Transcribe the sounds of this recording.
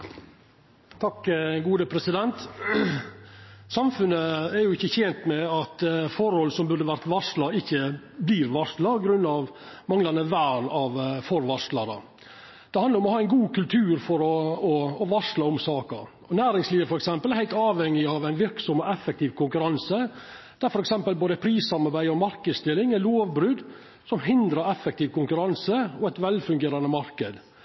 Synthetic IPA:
t̪ʰɑkːɡuːd̪əpʰɾɛsɪd̪ɛnt̪ | sɑmfʉnːəɛɾjʊɪçːəçeːnt̪mɛɑt̪fɔɾhɔlːsɔmbʉɾd̪əʋæɾt̪ʋɑʂlɑɪçːə | bliːɾʋɑʂlɑɔɡɾʉnːɑʋ | mɑŋlɑnəʋæːɾɑʋfɔɾʋɑʂlɑd̪ɑ̰ | d̪̥ɛhɑnd̪əɾɔmɔhɑːæɪnɡuːkʉlt̪ʰʉːɾfɔɾɔɔːʋɑʂlɑɔmsɑːkə̰ | ɔnæːɾɪŋsliːʋəfɔɾɛksɛmpəlæɾhæɪt̪ɑːʋɛŋːɪɑʋæɪnʋɪɾksɔmɔʔɛfːɛk̚t̪iːʋkʊŋkʉɾɑnsə | d̪̥æɾfɔɾɛksɛmpəlboːd̪əpʰɾiːsɑmɑɾbæɪɔmɑɾkəd̪st̪ɪlːɪŋæloːʋbɾʉd̪ | sɔmhɪnd̪ɾəɾɛfːɛk̚t̪iːʋkʊŋkʉɾɑnsəɔɛt̪ʋɛlfʉŋɡeːɾɑnəmɑɾkəd̪

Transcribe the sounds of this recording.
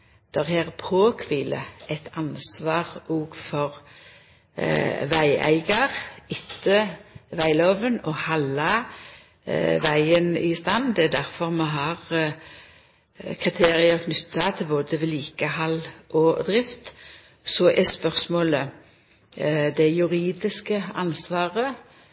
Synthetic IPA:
d̪̥ɛʁheːʁpʰoːkʰʋɪːlə̰ɛt̪ʰɑnsʋɑːʁɔːɡfɔʁ | ʋæɪʔæ̰ɪɡɑʁɪt̪ʰːəʋæɪloːʋənɔhɑlɑ | ʋæɪənɪ̰st̪ɑnd̪ɛæd̪æʁfɔʁmɛɦɑʁ | kʰʁɪt̪ʰeːʁɪəʁkʰnʏt̪ːɑt̪ʰɪlboːd̪əʋɪliːkəhɑlʔɔd̪ʁɪft̪ | sɔʔɛspœʁsmoːlə | d̪ɛjʉʁiːd̪ɪskəɑ̰nsʋɑːʁə

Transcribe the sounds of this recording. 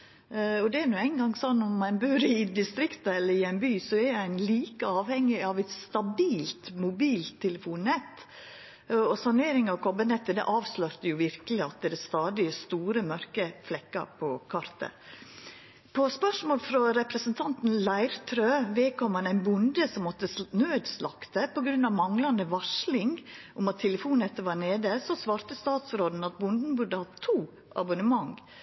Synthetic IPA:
ɔd̪ɛɛɾnuːæɪnɡɑŋsɔnːɔmːæɪnbøːɾɪd̪ɪst̪ɾɪkt̪əɛlːəɾɪæɪnbyːsɔɛɾæɪnliːkəɑːʋhɛŋːɪɑʋɛɪt̪st̪ɑbiːlt̪mʊbiːlt̪ʰːɛləfuːnːɛt̪ː | ɔsɑneːɾɪŋɑʋkʰɔbənɛt̪ːəd̪ɛ̰ʔɑːʋslœɾt̪əjʊʋɪɾkəlɪɑt̪̚ɛd̪ɛst̪ɑːd̪ɪst̪uːɾəmœɾkəflɛkːɑ̰pʰɔkʰɑɾt̪ʰə̰ | pʰɔspœʂmoːlfɾɔɾɛpɾəsənt̪ʰɑnt̪n̩læɪɾt̪ʰɾøːʋeːkʰɔmhɑnæɪnbʊnd̪əsɔmːɔt̪ːənøːd̪slɑkt̪əpɔɡɾʉnːɑʋmɑŋlɑnd̪əʋɑʂlɪŋʔʊmɑt̪ʰːɛləfuːnɛt̪ːəʋɑːɾɳeːd̪əsɔsʋɑːɾt̪əst̪ɑːt̪sɾoːd̪n̩ɑt̪̚bʊnd̪n̩bʉɖəhɑt̪ʰːuː | ʔɑ̰bʊnəmɑŋ

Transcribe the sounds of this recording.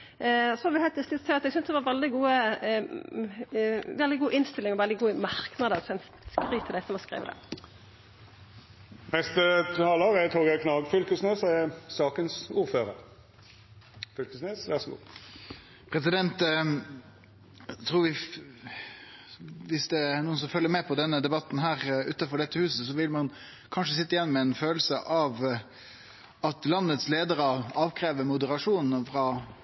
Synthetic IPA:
ɔsɔɑɾʋɪhɛɪt̪ɪsɪt̪t̪ʰːɪɑt̪ɛɡsʏnsd̪ɛʋɑʋɛld̪ɪɡuːə | ʋɛld̪ɪɡuːʔɪnst̪ɪlːɪŋɔʋɛld̪ɪɡuːəmɑʁknɑd̪əsɛn | skʁyːt̪ʰɪlæɪsɔmɔskɾʁḛːʋəd̪ɛ̰ | nɛst̪ət̪ʰɑːlɑɡæt̪ʰoɡækʰnɑːɡfœlkəsneːsɛsɑːkənsuːʁføːʁə̰ʁ | fœlkəsneːsʋæʁsɔɡṵː | pʰɾɛsɪd̪ɛnt̪ | t̪ʰɾuːʋɪ | ʋɪsd̪ɛæɾnuːənsɔmfœlːəmɛpʰɔd̪ɛnːəd̪ɛbɑt̪n̩ɦæːɾʉːt̪ɑfɔɖɛt̪ːəhʉːsəsɔʋɪlmɑn | kʰɑnʂ̬əsɪt̪ːəɪjɛnːmɛɛnføːlsəʔɑʋ | ɑt̪lɑnːət̪sleːd̪əɾəɑːʋkʰɾeːʋəmʊd̪əɾɑʂuːnn̩fɾɑ

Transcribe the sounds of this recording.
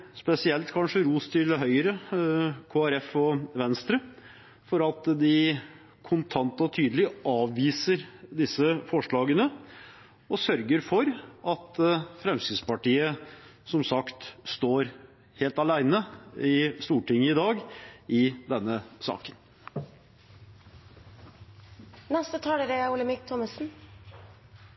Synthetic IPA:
spɛsɪɛlt̪kʰɑnʂəɾuːst̪ʰɪlɦœʏəɾə | kʰoːæɾɛfɔʋɛnst̪ɾə | fɔɾɑt̪d̪ɪ | kʰʊnt̪ʰɑnt̪ɔt̪ʰyːd̪əlɪʔɑːʋʋiːsəɾd̪ɪsːəfɔʂɭɑːɡənə | ɔsœɾɡəɾfɔɾɑt̪fɾɛmsɪd̪spɑʈiːəsɔmsɑkt̪st̪oːɾ | heːlt̪ɑlæɪnəɪst̪uːʈɪŋːəɪd̪ɑːɡɪd̪ɛnːəsɑ̰ːkə̥n | nɛst̪ət̪ʰɑːləɾəʊləmɪk̚t̪ʰɔməsn̩

